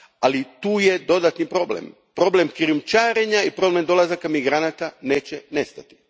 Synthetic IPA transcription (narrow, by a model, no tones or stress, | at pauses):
alit̪uːjed̪o̞d̪at̪nipɾo̞blḛm | pɾo̞ble̞mkɾijumt͡ʃaːɾeɲaipɾo̞blend̪o̞lˠazakamiɡɾanat̪aneːt͡ɕene̞st̪at̪i̥